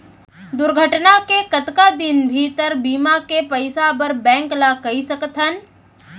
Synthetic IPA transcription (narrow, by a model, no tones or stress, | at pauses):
d̪ʊɾɡʱəʈnakekət̪kad̪ɪnbʱit̪əɾbiːmakepəɪsabəɾbɛ̃ːŋklakɐisəkt̪ʰən